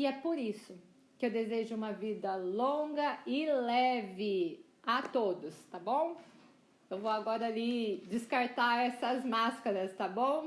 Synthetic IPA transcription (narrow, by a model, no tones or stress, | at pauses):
iɛpoɾisʊ | kɪewd̪ezeʒʊũmɐvid̪ɐlõɡɐɪlɛvɪ | at̪od̪ʊst̪abõw̃ | ewvowaɡɔɾɐːlid͡ʒɪskaɾt̪aɛsɐzmaskɐɾɐst̪abõw̃